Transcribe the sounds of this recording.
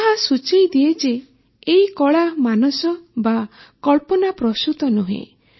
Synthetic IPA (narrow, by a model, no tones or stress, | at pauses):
ɦasut͡ʃejd̪ied͡ʒeː | ikɔɭamanɔsɔbakɔɭpɔnapɾɔsut̪ɔnuɦḛ̃